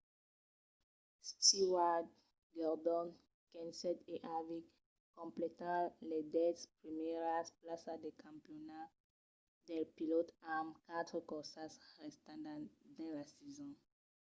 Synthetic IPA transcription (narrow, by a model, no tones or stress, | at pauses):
stiwad | ɡɛʁdɔ̃n | kɛ̃nsɛteʔavik | kɔ̃mplɛtãlɛdɛtspʁimɛʁasplasadɛkʰãmpiona | dɛlpilotamkatkɔsasʁɛstãdãdãlasɛzɔ̃